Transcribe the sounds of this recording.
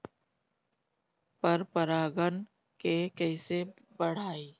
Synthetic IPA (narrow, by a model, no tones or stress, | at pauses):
pəɾpəɾaːɡən | kekɛɪse | bəɽ̤aːiː